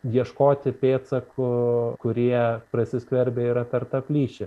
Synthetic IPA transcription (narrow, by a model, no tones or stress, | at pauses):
jiɛʃkoːt̪ʲɪpʲeːt̪sɐkʰʊkʊɾʲiɛpɾɐsʲɪsʲkʋʲɛɾʲbʲeːiːɾɐpʲɛɾt̪ɐpʲlʲiːʃʲɪ